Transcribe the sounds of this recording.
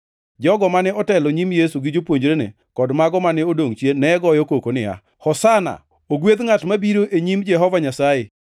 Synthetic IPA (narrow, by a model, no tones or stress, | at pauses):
d͡ʒɔɡɔmanɛɔtɛlɔɲimjesuɡɪd͡ʒopwoɲd͡ʒɾenḛ | kɔdmaɡɔmanɛodoŋt͡ʃjenɛɡɔjɔkokonɪa̰ | hɔsana̰ | oɡwed̪ŋatmabiɾoʔeɲimd͡ʒɛɦɔvaɲasaje